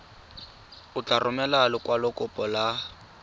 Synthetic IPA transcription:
ʊt͡ɬʼarʔʊmɛlalʊkwalʊkʼʊpʼɔla

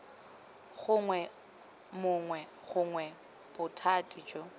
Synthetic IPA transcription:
ɣʊŋwɛ | mʊŋwɛ | ɣʊŋwɛ | b̥ʊtʰatʼid͡ʒɔ

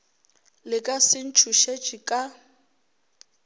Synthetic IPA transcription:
lɪkʼasɪn̩t͡ʃʰuʃed͡ʒʼikʼa

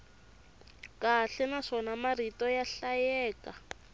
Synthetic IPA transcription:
kaɬɛnaʂɔnamaritɔjaɬajɛːka

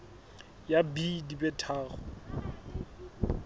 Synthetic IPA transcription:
jabidibɛtʰaːχɔ̰

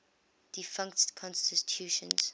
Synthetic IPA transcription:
d̥ifʌ̃ŋktkʰɔ̃nstitʰjuːʃə̰̃nz̥

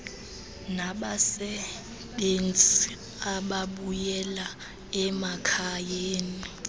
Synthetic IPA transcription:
naɓasɛ | ɓent͡sʼi | aɓaɓujɛla | ɛmakʰajeːni

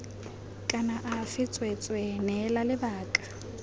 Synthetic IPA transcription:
kʼanaʔafɪt͡sʼwɛt͡sʼwɛnɛlalɪbaːkʼḁ

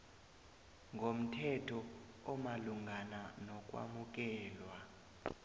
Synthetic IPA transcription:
ŋɡʱom̩tʰɛtʰɔ | ɔmaluŋɡʱananɔk̬ʼwa̰muk̬ʼɛːlwa

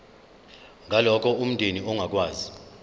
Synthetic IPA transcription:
ŋʱalɔk̬ʰʼɔum̩ndʱeniɔŋak̬waːzi

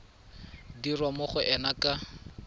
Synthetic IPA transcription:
dirwamʊχʊʔɛnakʼa

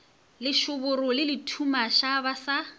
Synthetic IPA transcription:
lɪʃʊbʊrʊlɪlɪtʰumaʃabasa

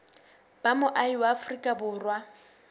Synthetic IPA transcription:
b̥amʊʔaiwaːfrikʼabʊːrwa

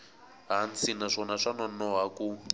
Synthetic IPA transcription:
ɦant͡sinaʂɔnaʂanɔnɔɦaku

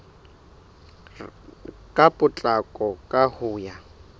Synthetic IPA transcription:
kʼapʼʊt͡ɬʼakʼɔkʼahʊːja

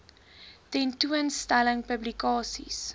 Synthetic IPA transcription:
tɛ̃ntuənstæləŋpəblikɑːsḭs

